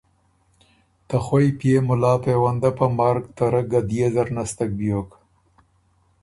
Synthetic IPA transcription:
t̪axwojpjemʊlɑːpewand̪apamɑɾkt̪aɾəɡad̪jezaɾnast̪ak̚bijok

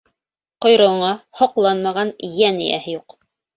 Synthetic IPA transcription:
qŏjɾŏɴɑhŏqlˠɑnmɑʁɑnjænḭjæ̰hɘ̆juq

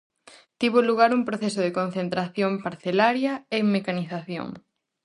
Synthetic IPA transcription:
t̪iβoluɣ̞aɾuŋpɾoθesoðekon̟θent̪ɾaθjompaɾθelaɾjɐeŋmekaniθaθjo̰ŋ

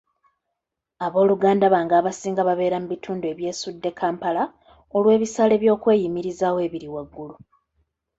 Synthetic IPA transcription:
aβo̞ːluɡaːndaβaːŋɡaːβasiːŋɡaβaβe̞ːɾamuβitʰuːndue̞βje̞ːsudːe̞kʰaːmpala | o̞lwe̞ːβisaːle̞βjo̞ːkwe̞ːjimiɾizaːwe̞ːβiɾiwaɡːulu

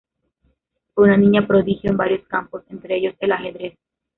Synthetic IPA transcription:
unanĩɲapɾo̞ðixjo̞embaɾjo̞skampo̞sent̪ɾeeʝo̞selaxe̞ðɾes

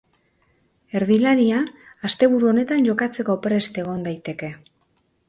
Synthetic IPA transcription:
e̞ɾðilaɾiaːst̪e̞β̞uɾuo̞ne̞t̪anʝo̞kat͡se̞ko̞pɾe̞st̪e̞ɣ̞o̞nd̪ajt̪e̞ke̞

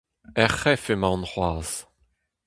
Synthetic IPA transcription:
ɛχɛfemãnʁwaːz

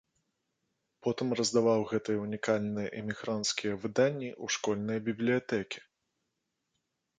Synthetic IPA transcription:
pɔt̪ɨmrɐzd̪avawɣɛt̪ɨjɐunʲikalʲnɨjɐʔɛmʲiɣɾant̪skʲijɐvɨd̪anʲːiʔuʂkɔlʲnɨjɐbʲiblʲijat̪ɛkʲi̥

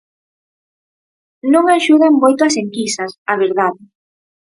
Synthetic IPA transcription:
nõŋaʃuð̞aŋmojt̪oɐseŋkisɐsaβ̞eɾðaðɪ

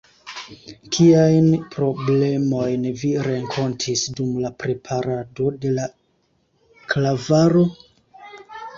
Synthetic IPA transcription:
kʰiajnpɾo̞ble̞mo̞jnviɾe̞ŋkʰo̞ntʰisdumlapɾe̞pʰaɾado̞de̞la | klavaɾo̞

